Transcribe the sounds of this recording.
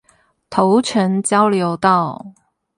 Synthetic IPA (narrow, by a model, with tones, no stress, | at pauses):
t̪ʰo˨˥ʊʈ͡ʂʰə˨˧˥ŋt͡ɕjɑ˥ʊljo˨˧˥ʊt̪ɑ˥˩ʊ